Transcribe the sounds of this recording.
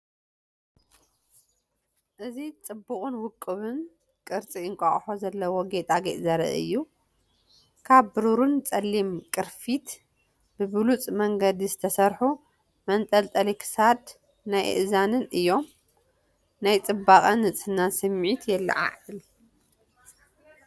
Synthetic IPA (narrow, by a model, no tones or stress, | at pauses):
ʔɨzit͡sʼɨbːuχʼɨnwʊkʼːɨβɨn | kʼɨɾt͡sʼiɨŋkʼɐχʼħozɐlːɐwoɡet̪ʼaɡeʔzɐɾ̰ʔɨ̰jːu | kʰaβːɨɾuɾunt͡sʼɐlːimkʼɨɾfit̪ | b̥ɨbɨlut͡sʼmɐŋɡɐd̪izɨt̪ʰɐsɐɾħu | mɐnt̪ʼɐlt̪ʼɐlikʰɨ̥sad̪ | najʔʔɨzanɨnʔɨjːo̞m | najt͡sʼɨbːaχʼɐnːɨt͡sʼɨnːansɨmːʕit̪ʰjɛlːa̰ʕa̰ʕɨl